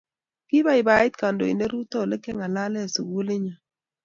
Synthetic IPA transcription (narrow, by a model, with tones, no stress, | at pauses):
kɪ˦ba˦ɪ˨ba˨ɪ˦t̪̚ka˨ndo˨ḭ˨ne˦ɾu˦t̪ɔ˦˨le˦kɛ˦ŋa˨la˦lɛ˦˨su˨ɡu˦lɪ˦ɲa˨